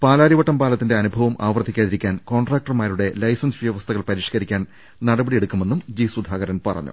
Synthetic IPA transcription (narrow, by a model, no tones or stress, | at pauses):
paːlaːɾiʋɐʈːɐmpaːlɐt̪ːinde̞ɐnubʱɐʋɐmʔa̰ːʋrd̪ʱːikʲːaːðiɾikʲːaːnko̞ːɳɖraːk̚ʈɐrmaːɾuɽe̞lɐjsɐnsʋjɐʋɐst̪ʰɐɣɐɭpɐɾiːʂkɐɾikʲːaːn | nɐɽɐbɐɽije̞ɽukːume̞nːumd͡ʑiːsud̪ʱaːɣɐɾɐnpɐrɐ̰ɲːṵ